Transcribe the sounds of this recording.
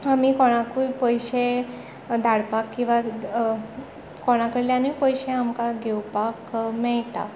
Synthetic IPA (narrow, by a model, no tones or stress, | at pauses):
amiːkoɽ̃akupəjɕe | d̪ʱaɽpakːĩw̃ʋa | koɽ̃akəɽljanipəjɕeamkaɡewpakmɛɭt̪a̰